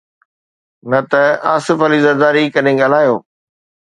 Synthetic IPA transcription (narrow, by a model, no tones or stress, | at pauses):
nɐt̪ɐaːsɪfɐliːzɐɾd̪aːɾikɐɗẽɠaːl̤aːjoː